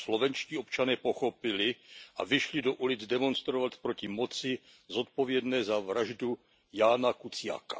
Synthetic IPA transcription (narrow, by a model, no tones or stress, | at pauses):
slo̞vɛnt͡ʃciːo̞pt͡ʃanɛːpo̞xo̞pɪlɪʔa̰vɪʃlɪdo̞ʔulɪd͡zdɛmo̞nst̪ɾovat̪pɾo̞cɪmo̞t͡sɪ | zo̞t̪̚po̞vjɛdnɛːzavɾaʒdu | jaːnakut͡sɪja̰ːkḁ̰